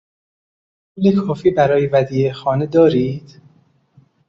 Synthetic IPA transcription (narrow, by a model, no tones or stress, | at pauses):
pʰuːlekʰɒːfiːbæɾɒːjevæd̪iːexɒːned̪ɒːɾiːd̪̥